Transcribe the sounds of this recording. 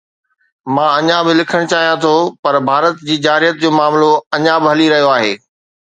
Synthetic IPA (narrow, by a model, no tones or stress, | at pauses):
mãːɐɲãbɪlɪkʰəɽ̃t͡ɕaːɦijãt̪ʰopɐɾbʱaːɾət̪d͡ʑiːd͡ʑaːɾijət̪̚d͡ʑoːmaːmloɐɲãbɪɦɐliɾɐɦijoaːɦḛː